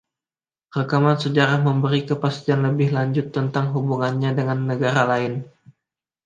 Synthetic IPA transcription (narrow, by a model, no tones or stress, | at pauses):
rəkamansəd͡ʒaɾahməmbəɾikəpast̪ianləbɪhlaɲd͡ʒʊt̪ːənt̪aŋɦubuŋanɲadəŋanːəɡaɾalaɪn